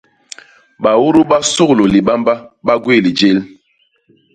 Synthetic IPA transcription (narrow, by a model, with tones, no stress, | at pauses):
ɓa˨wu˦ɾu˦ɓa˦so˦klo˨li˨ɓa˦mba˦ɓa˦ɡwi˦˨li˨d͡ʒe˦l